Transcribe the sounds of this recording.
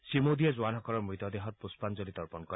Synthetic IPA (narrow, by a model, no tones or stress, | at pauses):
simod̪ied͡ʒuanɔkɔɾɔmɾit̪ɔd̪eɦɔt̪̚puspand͡ʒɔɾit̪ɔɾpɔnkɔɾ